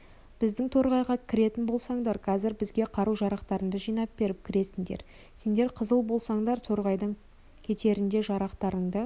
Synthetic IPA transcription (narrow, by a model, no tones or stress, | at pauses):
b̥ɪzd̪ɪŋt̪ʰoɾʁɑjʁɑkʲʰɪɾe̞t̪ɪnbo̞lˠsɑɴd̪ɑɾqʰɑzɪɾbɪzɡʲe̞qʰɑɾuwʒɑɾɑqt̪ɑɾəɴd̪əʒijnɑp̚b̥e̞ɾɪp̚kʲʰɪɾe̞sɪŋd̪e̞̰ɾ | se̞nd̪e̞ɾqʰəzəlˠbo̞lˠsɑɴd̪ɑɾt̪ʰoɾʁɑjd̪əɴ | kʲʰe̞t̪e̞ɾɪnd̪e̞ʒɑɾɑqt̪ɑɾəɴd̪ə